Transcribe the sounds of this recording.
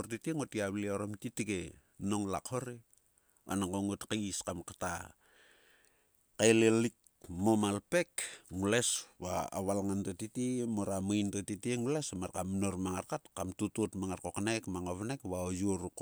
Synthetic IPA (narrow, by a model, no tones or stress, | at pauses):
ortitieŋotiaβlioɾomtitike | no̞ŋla̰khoɾe | a̰naŋɡoŋotkaskamkata̰ | kajlelik | momalpekŋulesβa̰ːβalŋantotitimoɾamajntotitieŋulesmaɾkamnoɾmaŋaɾkatkamtutotmaŋaɾkoknekmaŋoβnekβaojuoɾuk